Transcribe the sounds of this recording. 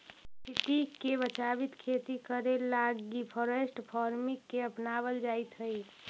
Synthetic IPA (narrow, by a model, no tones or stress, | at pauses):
sʰit̪ikːebət͡ʃabit̪kʰet̪ikəɾelaɡːipʰɔɾesʈpʰɔɾmikːeəpnaβəld͡ʒajt̪ɦəj